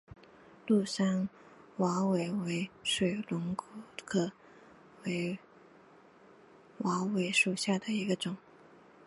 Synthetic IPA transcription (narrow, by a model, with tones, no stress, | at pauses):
lu˥˩ʂa˥n | wɑ˧˥we˨˩ɪwe˧˥ɪʂwe˨˩ɪlʊ˧˥ŋkkʰɤ˨˩ | we˧˥ɪ | wɑ˧˥we˧˥ɪʂu˨˩ɕja˥˩d̪ə˩i˧˥ɡə˧ʈ͡ʂʊ˨˩˦ŋ